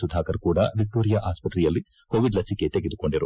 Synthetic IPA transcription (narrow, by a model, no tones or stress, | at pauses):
sud̪ʱaːkɐɾkuːɽɐʋik̚ʈoːɾijɐʔaːspɐt̪ɾɛjɐlːikoːʋiɖlɐsike̞t̪eɡed̪ukoɳɖiɾu